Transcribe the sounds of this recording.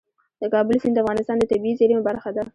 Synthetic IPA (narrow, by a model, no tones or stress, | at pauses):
d̪əkɑbəlsɪnd̪əafɣɑnɪst̪ɑnd̪ət̪abiizeɾimbaɾxad̪a